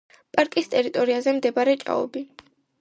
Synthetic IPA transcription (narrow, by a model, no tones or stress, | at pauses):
pʼaɾkʼist̪ʼɛɾit̪ʼɔɾiazɛmd̪ɛbaɾɛt͡ʃʼa̰ɔ̰bi